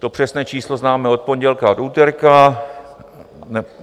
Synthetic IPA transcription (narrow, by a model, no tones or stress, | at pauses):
t̪o̞pr̝̥ɛsnɛːt͡ʃiːslo̞znaːmɛo̞t̪̚po̞ɲɟɛlkaduːt̪ɛɾka | nɛ